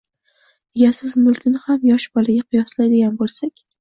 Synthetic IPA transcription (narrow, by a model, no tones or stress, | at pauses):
eɡʲasɪzmʊlkʲʰɪnɪhamjɒʃbɒlaɡʲaqʰʊjɒslajd̪ɪɡʲanbolˠsakʲ